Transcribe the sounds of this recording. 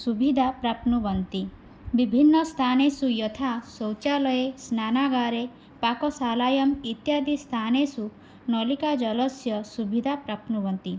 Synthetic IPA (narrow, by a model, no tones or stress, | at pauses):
subʱid̪ʱapɾapnubɔnt̪i | bibʱinːɔst̪ʰanesujɔt̪ʰasɔwt͡ʃalɔjesnanaɡaɾe | pakɔsalajɔmit̪jad̪ʱist̪ʰanesu | nɔlikad͡ʒɔlɔsjɔsubʱid̪ʱapɾapnubɔnt̪i